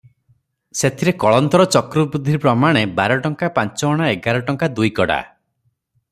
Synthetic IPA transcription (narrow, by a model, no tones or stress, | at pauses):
set̪ʰiɾekɔɭɔnt̪ɔɾɔt͡ʃɔkɾɔbud̪ʱːiɾpɾɔmaɽ̃ebaɾɔʈɔŋkapant͡ʃɔɔɽ̃aeɡaɾɔʈɔŋkad̪ujkɔɽa̰